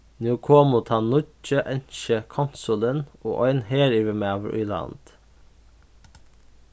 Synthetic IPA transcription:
njuːkʰoːmʊt̪ʰɑnʊt͡ʃəʔɛnʃəkʰansʊləno̰ːʔɔʏnheːɾiʋəmeɑʋɾʔʏ̰ːlɑ̰nd̪̥

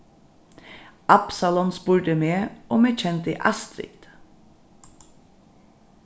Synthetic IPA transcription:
ʔɑpsɑlɔnspʊːɹɖ̪əmeːʔoːmeːt͡ʃʰɛnt̪ḭːʔɑst̪ɾɪ̰t̪

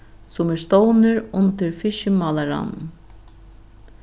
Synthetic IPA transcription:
sʊmɛɾst̪ownɪɾʊnt̪ɪɾfɪʃɪmaːlaɾa̰n

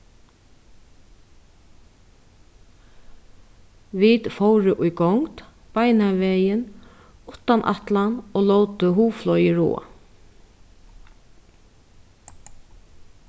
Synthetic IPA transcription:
ʋiːt̪fɔwɾəʔʊjɡɔŋt̪ | b̥ajnaʋɛːjən | ʊt̪anʔa̰t̪lanoːlɔwt̪əɦuːflɔjɪɹo̰ː

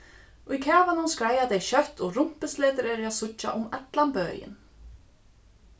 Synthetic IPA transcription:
ɔicʰaːvanunskɾaːjat̪ejɕœht̪ɔɣrum̥pɪsleːt̪ɪɾɛɾʏaðsʊːa̰ʔumɛt̪lanpœːjɪ̰n

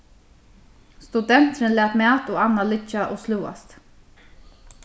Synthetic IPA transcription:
st̪ud̪ɛn̥t̪ɪnlæːt̪mæːt̪ɔːanːalɪt͡ʃːaʔoːsluːa̰st̪

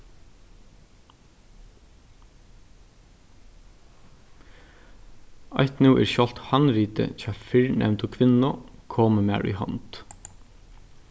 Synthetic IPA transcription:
ajht̪nuːʔɛ̰ɹʃjɔl̥t̪hanɾiːt̪ə̰t͡ʃʰaːfɪɹnʔɛ̰mnt̪ʊkʰʋɪnːʊkʰɔːməma̰ːɹḭɦɔ̰nt̪

